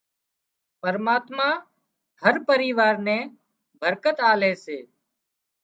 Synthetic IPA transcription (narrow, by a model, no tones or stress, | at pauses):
pəɾmaːt̪mãː | həɾpəɾiːʋaːɾnɛ̃ː | bʱəɾkət̪aːleːseː